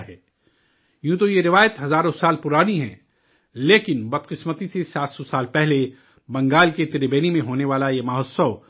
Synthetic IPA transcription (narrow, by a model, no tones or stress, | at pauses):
ɦɛː | jũːt̪̬ojeɾɪʋaːjət̪ɦɐzaːɾõsaːlpʊɾaːniɦɛ̰̃ː | leːkɪnbɐd̪qɪsmət̪isesaːt̪sɔsaːlpɛɦle | bɐ̃ŋɡaːlket̪ɪɾebeːnimẽɦoːneʋaːlajemɐɦsəw